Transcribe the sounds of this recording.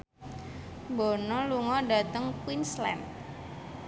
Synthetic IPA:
mbonɔluŋɔɖa̤t̪əŋkwinslɛ̰m

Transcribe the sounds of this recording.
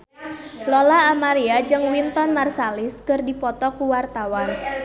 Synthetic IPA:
lɔlaːmaɾiad͡ʒɨŋwint̪ɔnmarsalɪskɨrdipɔt̪ɔkuwart̪awan

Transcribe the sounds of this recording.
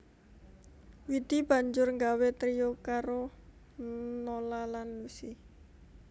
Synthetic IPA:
wid̪̥ib̥a̤ɲd͡ʒʊrŋɡawet̪ɾiokaɾo | nolalanːusi

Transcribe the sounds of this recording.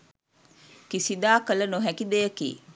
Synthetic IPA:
kisid̪aːkələnoɦɛkid̪ejəkḭː

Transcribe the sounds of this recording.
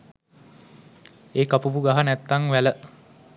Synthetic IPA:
eːkapuʋuɡaɦanæt̪ːaŋʋælə

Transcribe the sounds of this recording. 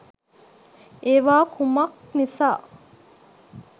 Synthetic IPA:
eʋaːkʰumɐk | nisaː

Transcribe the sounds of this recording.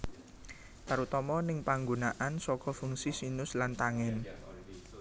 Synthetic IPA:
t̪aɾut̪ɔmɔnɪŋpaŋɡonaʔansɔkɔfuŋsisinʊslant̪aŋɛn

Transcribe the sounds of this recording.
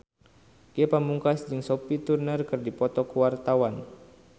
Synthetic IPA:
kiɛpamuŋkasd͡ʒɨŋsɔpit̪urnərkɨrdipɔt̪ɔkuwart̪awan

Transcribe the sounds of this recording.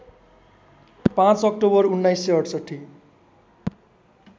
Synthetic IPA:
pãt͡sʌk̚ʈobʌrunːajsːeʌʈsʌʈʰːi

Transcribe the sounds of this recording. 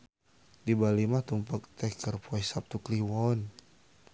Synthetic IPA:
dibalimaht̪umpak̚t̪ɛkərpɔɛsap̚t̪ukliwɔn

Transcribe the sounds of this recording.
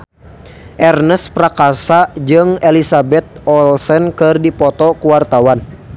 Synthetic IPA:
ʔɛrnəspɾakasad͡ʒɨŋɛlisabɛt̪̚ɔlsɛnkɨrdipɔt̪ɔkuwart̪awan

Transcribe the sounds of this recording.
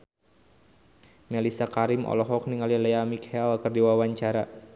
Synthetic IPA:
mɛlisakaɾimʔɔ̰lɔɦɔk̚niŋalilɛjamikhɛlkɨrdiwawaɲt͡ʃaɾa

